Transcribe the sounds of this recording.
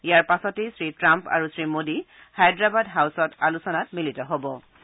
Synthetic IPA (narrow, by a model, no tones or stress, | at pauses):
ijaɹpasɔtejsɹitɹampa̰ɹusɹimodi | hajdɹabadɦawsɔtalusɔnatmilitɔɦobɔ